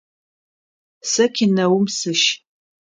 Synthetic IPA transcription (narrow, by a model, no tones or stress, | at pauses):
sɐkʲʰinɐwʊmsɨʃ